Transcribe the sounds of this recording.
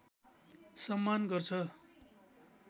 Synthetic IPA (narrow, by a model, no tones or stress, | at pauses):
sʌmːanɡʌrt͡sʰʌ